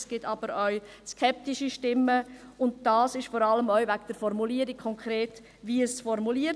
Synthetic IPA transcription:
sɡ̥ɪtʰɑb̥əɾœʊ | skʰɛp̚tiʃiʃtɪmːə | ʊnd̚d̥ɑːsɪʃfɔɾɑləmœʏvæɡd̥əɾfɔɾmuliːəɾikʰːɔŋkʰɾeːt | ʋiəsfɔɾmuliə

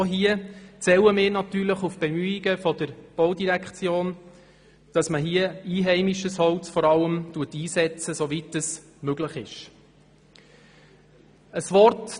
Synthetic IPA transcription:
ɦiət͡sɛwəmɪːɾnɑtyːɾləχufb̥ɛmyːiɡəfɔdəɾb̥ɔʊdiɾækt͡sjoːn | d̥ɑsməɦiəiːɦɛɪmiʃəshɔlt͡sfɔɾɑlːəmtuətiːsɛt͡səsovitəs | møɡləχɪʃ | əsvɔɾt

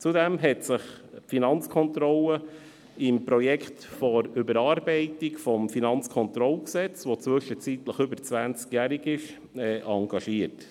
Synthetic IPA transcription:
t͡sudɛmɦɛtsɪχpfinɑnt͡skʰɔnt̪ɾɔlə | ɪmpɾɔjɛkχtfɔɾʏbəɾɑːɾbɛɪtikfɔmfinɑnt͡skʰɔnt̪ɾɔlksɛt͡sʋot͡sʋʏʃət͡sitləχʏbəɾt͡sʋænt͡skjæɾiɡɪʃ | ɛːʔɑŋɡ̥ɑʃiəɾt

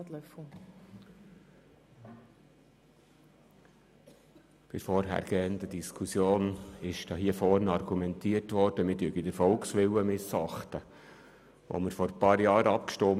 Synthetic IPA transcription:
tlœf̩ | b̥ɪfɔɾɦæ̰ːɾɡ̥ɛːənd̪ədiskʰusjoːnɪʃd̥ɑɦiːəfɔrnɑrɡ̥umɛnt̪iərtʋɔɾd̥əmɪtyːɡidəɾfɔlksʋɪlwəmɪsɑχt̪ə | ʋo̰məɾfɔɾpɑːɾjɑːɾɑpkʃtom

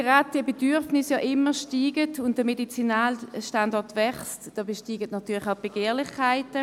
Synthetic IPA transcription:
eʁaːt̚d̥iəbedyʁfnɪsjɑʔɪməʃtiːɡətʊnt̚d̥əmedit͡sinaːlʃtandɔtvɛχstd̥ɔːbɛʃtiːɡətnɑtʰyːɐlɪχaʊb̥eɡ̥eːʁlɪχkʰaɪtə

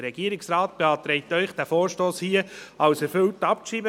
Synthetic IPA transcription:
əɾɛɡ̥iːəɾɪksrɑːt̚b̥eɑːt̪ɾɛɪtœʏχd̥æfoːɾʃtoːshiəɑwsɛɾfɵltːɑptʃiːbə

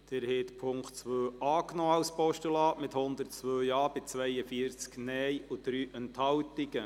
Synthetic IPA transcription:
d̥ɛɾhɛt̪pʰʊŋktt͡sʋøːɑːknoːɑwspɔʃtəlɑːʔmɪt̪hʊnd̪əɾtt͡sʋøːjɑːbɪt͡sʋɛjəfiːəɾt͡sknɛjud̪̥ɾyːʔɛnthɑwt̪ɪɡə

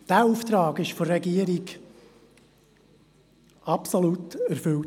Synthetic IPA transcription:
d̥æːuːft̪ɾɑːɡɪʃfɔrrɛɡiəɾiɡ | ɑpsolutæɾfʏlt

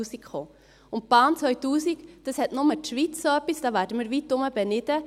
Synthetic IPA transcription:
uːsikχoː | ʊnt̚b̥ɑːnt͡sʋœʏtuːsikd̥ɑshɛtnʊmətʃʋit͡ssoːœpːisd̥ɑːʋæːɾdəmɪːɾʋitːʊməb̥ɛnɪdə

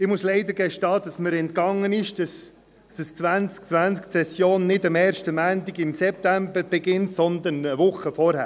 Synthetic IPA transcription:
ɪmʊslɛɪd̪əɾɡɛʃtɑːd̥ɑsməɾɛntkɑŋːənɪʃd̥ɑs | əst͡sʋænt͡sk̚t͡sʋænt͡sksɛsjoːnːɪdɑmɛːɾʃtəmæːntiɡɪmsɛp̚t̪æmbəɾb̥ɛɡɪntsɔnd̪ənəvʊχəfɔɾhæ̰ː

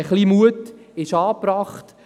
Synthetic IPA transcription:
əχlimuətɪʃɑːprɑːχt

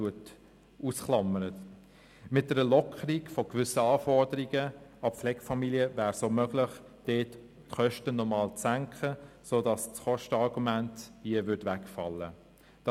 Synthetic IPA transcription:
uət | ʔuːsχlɑmːəɾə | mɪt̚d̥ɛɾəlɔkʰəɾiɡfokvʏsəɑːfɔɾdəɾiɡəɑpflɛɡ̥fɑmiliəvæːɾsoːmøɡlɪχ | d̥eːt | χœʃtənɔmɑːlt͡sːæŋkʰχə | soːdɑst͡sχɔʃtəɑʁɡumænthiəvʏɾdvækfɑ̰lːə̰ | d̥ɑ

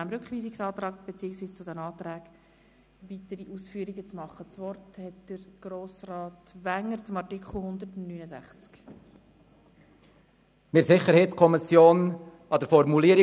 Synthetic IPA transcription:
æmɾʏkχʋiːsɪksɑːt̪ɾɑːk̚b̥et͡siːəŋsviːst͡sʊdɛnɑːtɾæːɡ̥ | ʋitəɾiʔuːsfyːɾiɡət͡smɑχːət͡sʋɔrthɛtd̥əɾɡ̥ɾoːsrɑːtʋæŋːəɾt͡sʊmɑrtikχl̩ˠhʊnd̪ərtnyːnəzæ̰χt͡sk | mɪɾsɪχəɾhɛɪtskʰɔmɪsjoːn | ɑd̥̪əɾfɔɾmuliəɾ

